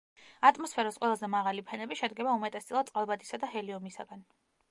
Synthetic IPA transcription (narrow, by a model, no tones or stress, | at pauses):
at̪ʼmɔspʰɛɾasqʼwɛlˠazɛmaʁalipʰɛnɛbiʃɛd̪ɡɛbaumɛt̪ʼɛst̪ʼilˠad̪sʼqʼalˠbad̪ʰʼisad̪aɦɛliɔmisa̰ɡan